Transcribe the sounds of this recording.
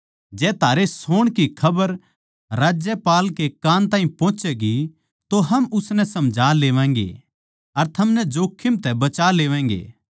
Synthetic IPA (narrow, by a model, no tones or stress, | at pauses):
d͡ʒɛːt̪ʰaːɾesoːɽ̃kikʰɐbəɾ | ɾaːd͡ʒjəpaːlkekãːnt̪aːɦĩpɔ̃ːt͡ʃɛɡi | t̪oɦɐmʊsnɛ̃sɐmd͡ʒʱaːleːʋɛ̃ːŋ̆ɡḛ | ɐɾt̪ʰɐmnɛd͡ʒoːkʰːɪmt̪ɛbɐt͡ʃaːleːʋɛ̃ːŋ̆ɡḛː